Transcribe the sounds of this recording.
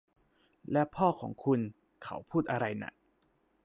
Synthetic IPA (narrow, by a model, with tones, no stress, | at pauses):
lɛ˦˥pʰɔː˥˩kʰɔː˩˦ŋkʰu˧n | kʰa̰˦˥wpʰuː˥˩t̪ʔa˧ɾa˧jna̰˧˩ʔ